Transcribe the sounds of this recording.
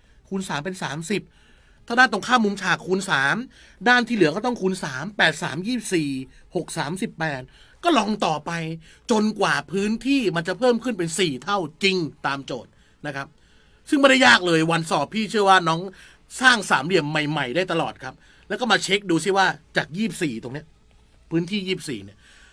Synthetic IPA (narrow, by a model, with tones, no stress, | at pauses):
kʰu˧nsaː˩˦mpe˧nsaː˩˦msi˨˩p̚ | t̪ʰaː˥˩daː˥˩nt̪o˧˩ŋkʰaː˥˩mːu˧˦mt͡ɕʰaː˨˩kʰːu˧nsaː˩˦m | daː˥˩nt̪ʰiː˥˩lɯ˩˦kɔː˥˩t̪ɔ˥˩ŋkʰuː˧nsaː˩˦mpɛː˨˩t̪̚sa̰ː˩˦mjiː˥˩siː˨˩ | ho˨˩k̚saː˩˦msi˨˩pːɛː˨˩t̪̚ | kɔː˥˩lɔ˧ŋt̪ɔː˨˩pa˧j | t͡ɕo˧nkwaː˨˩pʰɯː˦˥nt̪ʰiː˥˩ma˧nt͡ɕa˨˩pʰɤː˥˩mkʰɯ˥˩npe˧nsiː˨˩t̪ʰa˥˩wt͡ɕi˧ŋt̪aː˧mt͡ɕoː˨˩t̪̚ | na˦˥kʰa˦˥p̚ | sɯ˥˩ŋmɛ˥˩da˥˩jaː˥˩k̚lɤː˧jwa˧nsɔː˨˩pʰːiː˥˩t͡ɕʰɯ˥˩ɐwaː˥˩nɔː˦˥ŋ | saː˥˩ŋsaː˩˦mli˨˩əmːa˨˩jma˨˩jdaː˥˩jt̪a˧lɔː˨˩t̪̚kʰa˦˥p̚ | lɛː˧˦˥wkɔ˥˩maː˧t͡ɕʰe˦˥k̚duː˧si˥˩waː˥˩t͡ɕaː˨˩k̚jiː˥˩p̚siː˨˩t̪o˨˩ŋni˦˥ɐ | pʰɯː˦˥nt̪ʰiː˥˩jiː˥˩p̚sḭː˨˩ni˦˥˩ɐ